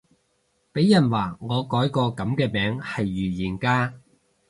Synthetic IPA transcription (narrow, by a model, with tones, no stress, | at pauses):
pe˨˥jːɐ˨˩nwaː˨˩ŋɔː˨˧kɔː˨˥jkɔː˧kɐ˨˥mkɛː˧mɛː˨˥ŋhɐ˨jːyː˨˩jiː˨˩nkaː˥